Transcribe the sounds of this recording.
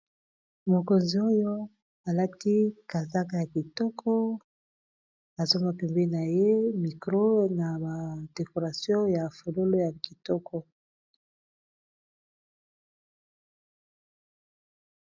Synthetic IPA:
mo˨ko˨nzi˨o˦jo˦ | a˨la˦ti˦ka˨za˦ka˨ja˨ki˨tɔ˦kʰɔ˦ | a˨zo˦ma˨pɛ˨mbɛ˦i˦na˨je˦mi˨kʁo˦na˨ba˨d̥e˨ko˨ʁa˨sjɔ̃˦ja˨fo˨lo˦lo˦ja˨ki˨tɔ˦kʰɔ˦

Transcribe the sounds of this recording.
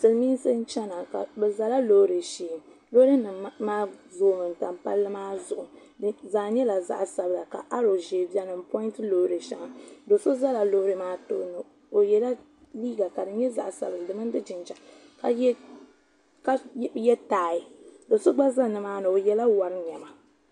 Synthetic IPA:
sɨ˨lmiː˦n˦sɨ˦n̩˦t͡ʃɛ˦na˨ka̰˨bɛ˨za˨la˦lo˦ɾɨ˨ʃiː˦˨m | lo˦ɾɨ˦nɨ˨˦maː˦zoː˦mɨ˨n˨ta˨mpa̰˦lːɨ˦maː˦zʊ˨ʔʊ˨ | zaː˨ɲɛ˦la˨za̰˦ʔsa˨bɨ˨la˨ka̰˨ʔa˦ɾo˨ʒe˨bja˦nɨ˨m˨pɔ˦ntɨ˦lo˨hɾɨ˨ʃa̰˨ŋa˨do˨so˦za˦la˨lo˨hɾɨ˨maː˦to˦nɨ˨ | o˨jɛ˦la˦ | liː˦ɡa˨ka˨dɨ˨ɲɛ˦za̰˨ʔsa̰˨bɨ˨ldɨ˨mɨ˦n˦dɨ˦d͡ʒɪ˨nt͡ʃa˨ | ka˨˦ | ka˦jɛ˦taː˨˦˨i˨do˨so˦ɡ͡ba˦za˦nɨ˨maː˦nɨ˨o˨jɛ˨la˦wa˨ɾɨ˦ɲɛ˨ma˨

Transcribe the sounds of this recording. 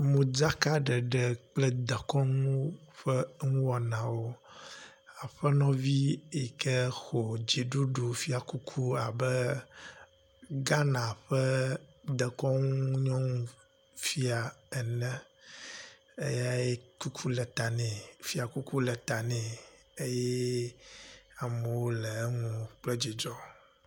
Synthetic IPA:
mũ˨d͡ʒa˦ka˦ɖə˨ɖɛ˨k͡plɛ˦d̪ə˨kɔ˦ŋũ˦ɸə˦ŋũ˦wɔ˨nã˨wo˦ | a˨ɸə˦nɔ̃˦vi˦e˨kɛ˦xo˨d͡ʑi˨ɖu˦ɖo˨fi˦a˨ku˦kʰu˦a˨bə˦ | ɡa˦nã˨ɸə˦d̪ɛ˨kɔ˦ŋũ˦ɲɔ̃˦ŋũ˨ | fi˦a˨ɛ˨nɛ̃˦ | ḛ˦ja˦je˦ku˦kʰu˦lɛ˨t̪a˨nɛ̃˨fi˦a˨ku˦ku˦lɛ˨t̪a˨nɛ̃˨ | e˦jɛ˦ | a˨mə˨wo˦lɛ˨˦ŋũ˨k͡plɛ˦d͡ʑi˨d͡ʒɔ˦

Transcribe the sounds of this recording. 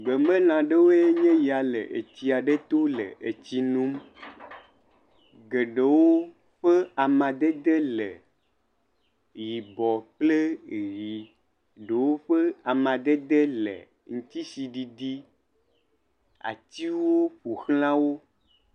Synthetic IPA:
ɡ͡be˨me˦lã˨ɖe˦wo˦je˦ɲɛ̃˦ji˨a˨lḛ˨ʔḛ˨t͡ɕi˨a˨ɖe˦t̪o˦lḛ˨ʔe˨t͡ɕi˦nũ˦m | ɡe˨ɖe˨wo˦ | ɸe˦a˨mã˨d̪e˦d̪e˦le˨ | ji˨bɔ˨k͡ple˦ɣi˨ | ɖe˨wo˦ɸe˦a˨mã˨d̪e˦d̪e˦lḛ˨ | ŋ̩̃˦t̪i˦si˨ɖi˨d̪i˦ | a̰˨t̪i˦wo˦ɸo˨xl̃ã˦wo˦

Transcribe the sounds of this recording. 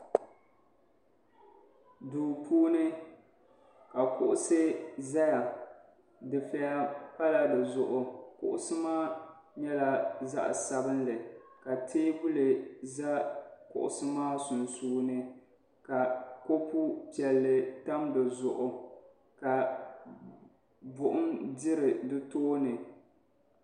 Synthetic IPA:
duː˨pʰuː˦nɨ˦ | ka˨kʊ˦ʔʊ˦sɨ˦za˦ja˨ | dɨ˨fɛ˦a˦pa˦la˨dɨ˨zʊ˨ʔʊ˨kʊ̰˦ʔʊ̰˦sɨ˦maː˦ | ɲɛ˦la˦za̰˦ʔsa˦bɨ˦nlɨ˨ka˨tʰeː˦bʊ˦lɨ˨za˦kʊ̰˨ʔʊ̰˨sɨ˦maː˦sʊ˨nsuː˦nɨ˦ | ka˨ko˦pu˦pi˨ɛ˨lːɨ˨ta˦mdɨ˨zʊ˨ʔʊ˨ | ka˨ | bʊ˨ʔʊ˦ndɪ˦ɾɨ˨dɨ˦toː˦nɨ˨

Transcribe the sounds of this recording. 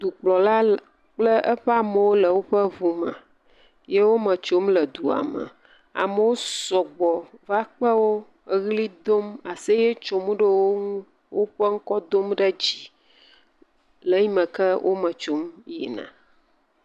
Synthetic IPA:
d̪u˨k͡plɔ˨la˦ | k͡plə˦ʔə˦ɸɛ˦a˨mə˨wo˦lə˨wo˦ɸə˦vu˨mə̰̃˨ | je˦wo˦mə̃˨t͡ʃo˦mlə˨d̪u˨a̰˨mə̰̃˨ | a̰˨mə˦wo˦sɔ˨ɡ͡bɔ˨va˦k͡pə˦wo˦ | ɣli˦d̪o˦ma˨sə˦je˦t͡ʃo˨mũ˦ɖə˦wo˦ŋũ˦ | wo˦ɸə˦ŋ̩˦kɔ˦d̪o˦mɖə˦d͡ʑi˨ | lə˨ɲi˦mə̃˨kə˦wʔo̰˦mə̃˨t͡ʃo˦mjḛ˨nã̰˨

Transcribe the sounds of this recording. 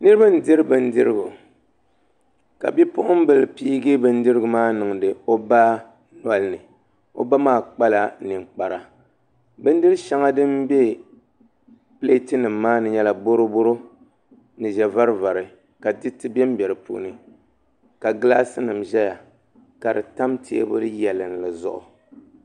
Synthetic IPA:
nɨ˦ɾɨ˦ba˦n̩˨dɨ˦ɾɨ˦bɨ˨n̩˦dɨ˦ɾɨ˦ɡu˨ | ka̰˨bi˦pʊ˦ʔʊ˦m˦bɨ˨lpi˦ɡɨ˦bɨ˦n̩˦dɨ˦ɾɨ˦ɡu˨maː˦nɨ˨ŋ˨dɨ˨o˦ba˦ | na˨lnɨ˨ | o̰˦ba˦maː˦k͡pa˦la˨nɨ˨ŋ͡mk͡pa˨ɾa˨ | bɨ˦n˦dɨ˦ɾɨ˦ʃa˦ŋa˦dɨ˦mbɛ˦ | ple˦tɨ˦nɨ˨mːaː˦nɨ˨ɲɛ˦la˨bo˦ɾo˦bo˦ɾo˦ | nɨ˨ʒɛ˨va˦ɾɨ˦va˨ɾɨ˨ | ka˨dɨ˦tɨ˦bɛ˦m˦bʲɛ˨ɾɨ˨pṵ˦ʔnɨ˨ | ka˨ɡɨ˦la˦sɨ˦nɨ˨mʒɛ˦ja˨ | ka˨dɨ˨ta˦mtʰḛ˦bʊ̰˦dɨ˦jɛ˨lɨ˨n˨lɨ˨zʊ̰˨ʔʊ̰˨

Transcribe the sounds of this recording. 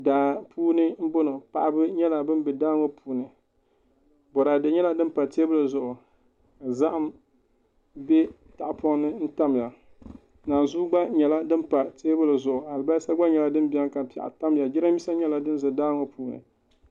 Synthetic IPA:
daː˨pʰuː˦nɨ˦m̩˦bʊ˦nɨ˨pa˨ʔa˨bɨ˦ɲɛ˦la˨bɨ˦m˦bɛ˨daː˦ŋo˦pʰuː˨nɨ˨ | bɔ˨ɾa˨dɨ˨ɲɛ˦la˦dɨ˦m˦pa˨teː˦bʊ˦lɨ˨zʊ˨ʔʊ˨ | ka˨za˦ʔa˦m | bɛ˦ | ta˨ʔpʰɔ˦ŋ˦nɨ˦n̩˦ta˦m˨ja˨ | naː˨n˨zuː˦ɡ͡ba˦ɲɛ˨la˦dɨ˦mpa˨teː˦bʊ˦lɨ˨zʊ˨ʔʊ˨ha˨lɨ˨ba˦sa˦ɡ͡ba˦ɲɛ˨la˦dɨ˦m˦bi˦a˦ŋka˨pi˨a̰˨ʔa̰˨ta˦m˦ja˨d͡ʒɪ˦ɾa˦mi˦sa˦ɲɛ˦la˨dɨ˦n˦zɨ˨daː˦ŋo˦puː˦nɨ̰˨

